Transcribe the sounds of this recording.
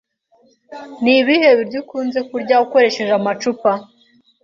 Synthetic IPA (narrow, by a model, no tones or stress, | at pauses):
niβihe̞βiɾɟukuːnze̞kuɾɟauko̞ɾe̞ʃe̞ʒamat͡ʃupa